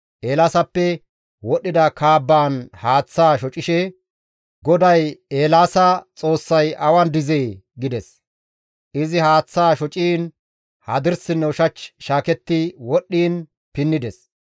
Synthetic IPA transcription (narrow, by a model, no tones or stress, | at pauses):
ʔeːlaːsɐpːɛ | wɔɗːɪd̪ɐkʰaːbːaːnhaːt͡sːaːʃɔt͡ʃʼːɪʃɛ | ɡɔd̪ɐjeːlaːsɐt͡sʼo̞ːsːɐjʔɐwɐnd̪ɪzeːɡɪd̪ɛs | ʔɪzɪhaːt͡sːaːʃɔt͡ʃʼiːn | hɐ̰d̪ɪɾsɪnːɛʊʃɐt͡ʃːʃaːkɛt̪ːɪwɔɗːiːn | pɪnːɪd̪ɛs